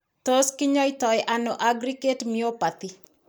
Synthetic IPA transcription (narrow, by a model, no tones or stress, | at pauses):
toskɪɲɔitɔjʔanoʔaɡɾiketmiopat̪i